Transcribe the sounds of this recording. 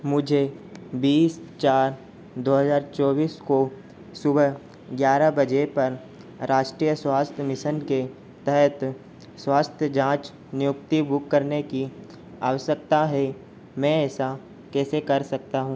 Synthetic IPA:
mʊd͡ʒʱebiːst͡ʃaːɾ | d̪oːɦəzaːɾt͡ʃɔːbiːsko | sʊb | ɡjaːɾabɐd͡ʒepɐɾ | ɾaːʃʈɾiːjəswaːst̪ʰjəmɪʃənke | t̪ɛɦɛt̪ | swaːst̪ʰjəd͡ʒãːt͡ʃ | nɪjʊk̚t̪ibʊkːəɾneki | aːwəsjək̚t̪aɦɛ | mɛ̃ɛːsa | kɛːsekɐɾsɐkt̪aɦũː

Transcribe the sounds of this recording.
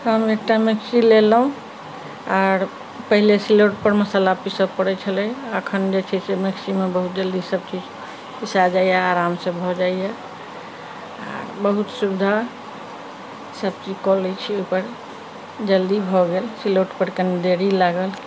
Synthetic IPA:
həmek̚ʈameksilelɦũ | aɾ | pəɦilesiloʈpəɾməsalapisəpəɽɛt͡ʃʰəlɛəkʰənd͡ʒet͡ʃʰɛsemeksimebəɦut̪̚d͡ʒəld̪isəb̚t͡ʃid͡ʒ | pisad͡ʒaijaːɾamsẽbʱɔd͡ʒaija | a̰ɾbəɦut̪subd̪ʱa | səb̚t͡ʃid͡ʒkɔlet͡ʃʰiopəɾ | d͡ʒəld̪ibʱɔɡelsiloʈpəɾkənd̪eɾilaɡəl

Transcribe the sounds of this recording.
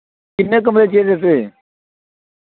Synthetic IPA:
kɪnẽːk̬əmɾeːt͡ʃeːɾeseː

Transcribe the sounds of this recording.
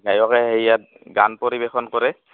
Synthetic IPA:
ɡajɔkɛɦejjat̚ | ɡanpoɹibexɔnkoɹɛ

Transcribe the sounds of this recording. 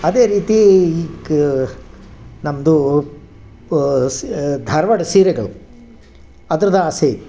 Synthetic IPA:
ɐd̪eːɾiːt̪iːɡ | nɐmɐd̪u | d̪ʱɐɾʋɐɽɐsiːɾɛɡɐɭu | ɐd̪ɐɾɐd̪ɐaːsei

